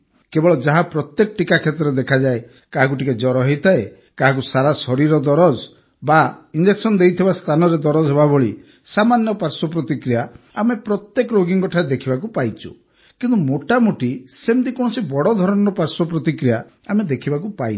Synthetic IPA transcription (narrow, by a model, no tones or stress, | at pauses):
kebɔɭɔd͡ʒaɦapɾɔt̪jekɔʈikakʰet̪ɔɾed̪ekʰad͡ʒae | kaɦak̬uʈʰiked͡ʒɔɾɔɦit̪ʰae | kaɦãk̬usaɾasɔɾiɾɔd̪ɔɾɔd͡ʒ | baind͡ʒeksɔnd̪ejt̪ʰibast̪ʰanɔɾed̪ɔɾɔd͡ʒɦebaboɭi | samanjɔpaɾsɔp̬ɾɔt̪ikɾija | a̰mepɾɔt̪jekɔɾoɡiŋɡɔʈʰaɾed̪ekʰibakupajt͡ʃʰṵ | kint̪umoʈamuʈisemt̪ikɔñsibɔɽɔd̪ʱɔɾɔnɔɔpaɾsɔpɾɔt̪ikɾija | amed̪ekʰibakupai